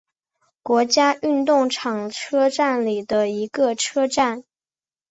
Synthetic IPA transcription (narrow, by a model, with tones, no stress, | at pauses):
kwɔ˧˥t͡ɕja˥y˥˧nt̪ʊ˥˩ŋʈ͡ʂʰɑ˨˩ŋʈ͡ʂʰɤ˥ʈ͡ʂa˥˩nli˨˩d̪ə˦i˧˥ɡə˧ʈ͡ʂʰɤ˥ʈ͡ʂa˥˩n